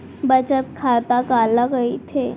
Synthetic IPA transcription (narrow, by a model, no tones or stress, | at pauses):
bət͡ʃət̪̚kʰat̪akalakəit̪ʰe